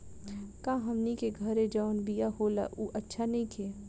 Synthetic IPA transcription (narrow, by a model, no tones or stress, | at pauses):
kãːɦɐmnikeɡʱɐɾẽd͡ʒaʊnbijahoːla̰ʔuːʔɐtːʃʰanɐĩkʰe